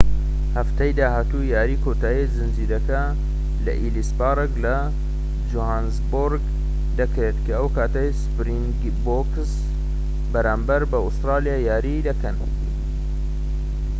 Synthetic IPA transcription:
hɐft̪ɐjd̪aːhaːt̪ujaːɾiːkʰoːt̪aːjizɨnziːd̪ɐkɐ | lɐ̰ʔilispaːɾeklɐ | d͡ʒohaːnzboɾɡ | d̪ɐkɾeːt̪kʰɐəwkaːt̪ɐjspɾiŋɡ | bok | s | bɐɾaːmbɐɾbɐʊst̪ɾaːlijaːjaːɾid̪ɐkɐn

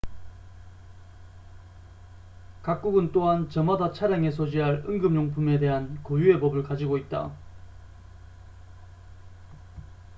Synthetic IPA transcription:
kak̚k͈uɡɯnt͈oɦant͡ɕʌmadat͡ɕʰaɾjaŋe̞sʰod͡ʑiɦaɭɯ̰ŋɡɯmɲoŋpʰume̞de̞ɦankojue̞bʌbɯɭkad͡ʑiɡoit̚t͈a̰

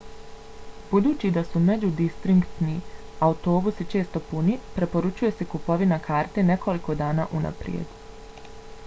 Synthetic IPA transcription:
b̥ud̪uːt͡ɕid̪asume̞d͡ʑud̪ist̪ɾiŋkt̪niaut̪o̞ːbusit͡ʃe̞ːst̪o̞punipɾe̞po̞ɾut͡ʃuje̞sekupo̞ʋinakʰaːɾt̪e̞ne̞kʰo̞liko̞d̪aːnaːʔuna̰pɾjḛd̪

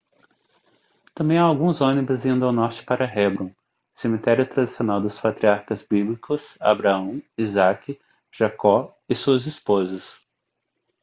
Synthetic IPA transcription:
t̪ɐ̃mbẽj̃aawɡũzõnibʊzĩnd̪ʊawnɔɾt͡ʃɪ̥paɾɐɦɛbɾũw̃ | semit̪ɛɾjʊt̪ɾad̪isionawd̪ʊspat̪ɾiaɾkɐzbiblikʊsa̰bɾaɐ̃w̃izakɪ | ʒ̥akɔ | ɪsuɐzispozɐs

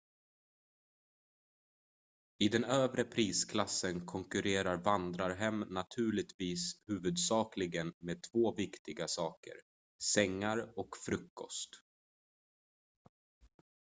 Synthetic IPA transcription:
ɪd̪ɛnøːvɾəpʰɾiːskʰlasːənkʰɔŋkɵɾeːɾaɾvand̪ɾaɾɦɛmnat̪ʰʉ̟ːɭɪt̪viːshʉ̟ːvɵd̪sɑːklɪɡənmeːd̪̚t̪ʰv̥oːvɪkt̪ɪɡasɑːkə̰ɾ | sɛŋːaɾɔkfɾɵkːɔst̪

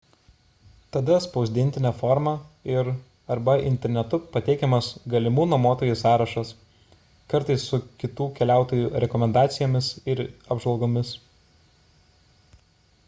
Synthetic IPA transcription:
t̪ɐd̪ɐspɐʊzʲd̪ʲɪnʲt̪ʲɪnʲɛːfɔːɾmɑɪɾ | ɐɾbɐɪ̰nʲt̪ʲɛɾʲnʲɛt̪ʊpɐt̪ʲɛɪkʲɛmɐsɡɐlʲɪmuːnoːmoːt̪oːjusɑːɾɐʃɐs | kɐɾt̪ɐɪsːʊkʲɪt̪uːkʲɛlʲæˑʊt̪oːjuːɾʲɛkɔmʲɛnd̪ɑːt̪sʲɪjoːmʲɪsɪɾɐbʒʋɐlˠɡoːmʲɪs

